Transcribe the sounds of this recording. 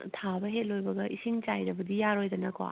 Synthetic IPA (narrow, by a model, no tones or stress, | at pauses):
tʰabɐɦet̚lojbɐɡɐʔisiŋt͡ʃajɾɐbɐdijaɾojdɐnɐkʰowa̰